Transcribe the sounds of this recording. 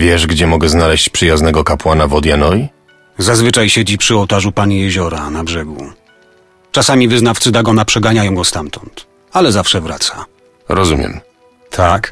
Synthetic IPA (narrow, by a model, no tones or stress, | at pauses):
vʲjɛʐɡd͡ʑɛmɔɡɛznalɛɕt͡ɕpʂɨjaznɛɡɔkapwanavɔd̪janɔji | zazvɘt͡ʂajɕɛd͡ʑipʂɨɔwt̪aʐupaɲijɛʑɔɾanabʐɛɡṵ | t͡ʂasamʲivɘznaft̪sɘd̪aɡɔnapʂɛɡaɲajɔ̃w̃ɡɔst̪amt̪ɔnt̪ | alɛzafʂɛvɾa̰t̪sa | ɾɔzumʲjɛ̰m | t̪ʰak